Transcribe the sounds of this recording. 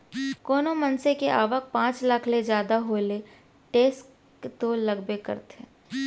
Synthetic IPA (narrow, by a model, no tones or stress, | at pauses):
koːnomɐnsekeʔaːʋək̚pãːt͡ʃlakʰled͡ʒjaːd̪aɦoːle | ʈeːs | t̪oːlɐɡbekə̰ɾt̪e